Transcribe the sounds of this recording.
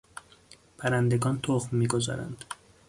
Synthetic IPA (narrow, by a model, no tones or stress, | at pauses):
pʰæɾænd̪e̞ɡɒːnt̪ʰoxmːiːɡo̞zɒ̰ːɾæ̰nd̪̥